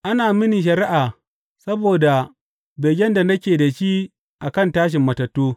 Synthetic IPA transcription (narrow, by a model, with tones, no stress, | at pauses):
ʔa˦naː˨mɪ˦ni˨ʃ̬ɐ˨ɾɪ˦ʔaː˨ | sɐ˦boː˨da˨ | be˨ɡʲɛ˦nda˨nɐ˦kʲeː˨da˨ʃiː˦ | ʔa˨kɐ˦˨ntaː˦ʃ̬ɪ˨mːɐ˨tɐ˨tːoː˦